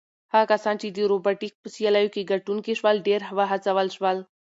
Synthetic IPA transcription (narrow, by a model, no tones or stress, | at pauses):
hakasɑnt͡ʃid̪iɾobaʈik̚pəsijalajokeɡaʈunkeʃwalɖeɾɦaʋaɦat͡saʋəlʃwal